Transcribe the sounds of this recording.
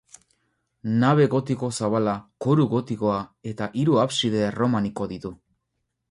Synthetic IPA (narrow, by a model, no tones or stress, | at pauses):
naβ̞e̞ɣo̞t̪iko̞saβalakoɾuɣo̞t̪iko̞ae̞t̪aʔiɾuaβsiðe̞ro̞maniko̞ðit̪u